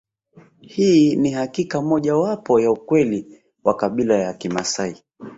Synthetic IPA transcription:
hinihakikamɔʄawapɔjaukwɛli | wakaɓilajakima̰sai

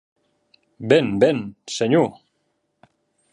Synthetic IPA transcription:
benbenseɲu

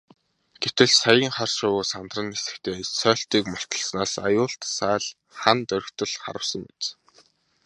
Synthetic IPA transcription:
ɡ̥ewt̪ɘ̆ɮsajiːŋχarʃʊːsant̪rə̆nesɘ̥̆kt̪eːsœːɬt̪iːkmɔr̥t̪ə̆ɮsnaːsajʊːɬt̪sæːɮ | χant̪œɾʲɵ̆kt̪ə̆ɮχa̰ɾə̆wsə̆ŋet͡s

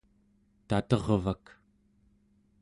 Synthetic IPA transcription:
t̪at̪ʌʁvak

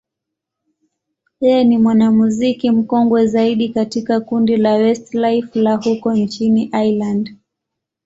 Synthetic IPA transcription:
jɛjɛnimwanamuzikim̩kɔŋɡwɛzaiɗikatikakundilawɛstlajflahukɔnt͡ʃiniʔajland

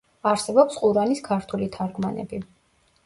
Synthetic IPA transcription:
aɾsɛbɔpsqʼuɾaniskʰaɾt̪ʰulit̪ʰaɾɡmanɛ̰bi

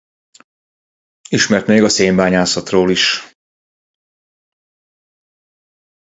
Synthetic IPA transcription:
iʃmɛrt̪meːɡɒseːmbaːɲaːsɒt̪roːliʃ

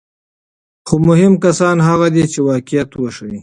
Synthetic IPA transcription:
xomʊɦɪmkasɑnɦaɣad̪et͡ʃewɑːkɪjat̪waʃawi

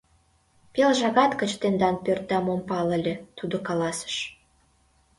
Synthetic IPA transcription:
pelʒɑɣɑt̪kə̆t͡ɕt̪end̪ɑnpørt̪̚d̪ɑmompɑlə̆lʲĕt̪ud̪okɑlɑsə̥ʃ

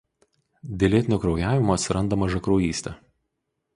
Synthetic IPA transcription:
d̪ʲelʲeːt̪ʲɪnʲokɾɒʊjæːʋʲɪmoːt̪sʲɾɐnd̪ɐmɐʒɐkɾoːjiːsʲt̪ʲɛ

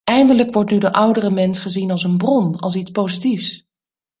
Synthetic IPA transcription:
ɛjndələkʋɔɹtnydəʔʌwdərəmɛnsχəzinɑlˠsənbrɔnɑ̰lˠs̬itspowzitifs

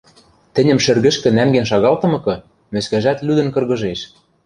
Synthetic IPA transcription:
t̪ɘ̆nʲɘ̆mʃɘ̆rɣɘ̆ʃkɘ̆næŋɡenʃ̬ɑɣɑlt̪ɤ̆mɤ̆kɤ̆ | mɘ̆skæʒæt̪lyd̪ɘ̆nkɤ̆rɣɤ̆ʒeʃ

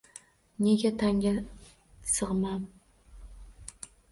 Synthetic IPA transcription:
neɡʲat̪ʰaŋɡʲa | sɨʁmɑm

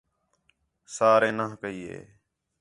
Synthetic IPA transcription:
saːɾẽːnəːkəiːḛː

